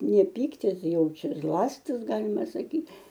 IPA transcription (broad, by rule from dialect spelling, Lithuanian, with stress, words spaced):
nʲɛ ˈpʲiːktʲɪs ˈjɛʊ ˈt͡ʃʲɛ ˈzlˠɑːsʲtʲɪs ˈɡɑːlʲɪmɐ sɐˈkʲiː